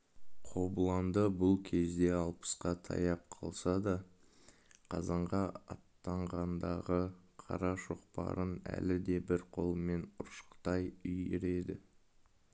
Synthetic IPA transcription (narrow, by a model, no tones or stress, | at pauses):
qʰo̞bəlˠɑnd̪əbʊlˠkʲʰe̞zd̪e̞ɑlˠpə̥sqɑt̪ʰɑ̰jɑp̚qʰɑlˠsɑd̪ɑ | qʰɑzɑɴʁɑɑ̰t̪ːɑɴʁɑnd̪ɑʁəqʰɑ̰ɾɑʃo̞qpɑ̰ɾənæ̰lɪd̪e̞bɪɾqʰo̞lˠme̞nʊɾʃə̥qt̪ɑjʏjɪɾe̞d̪ɪ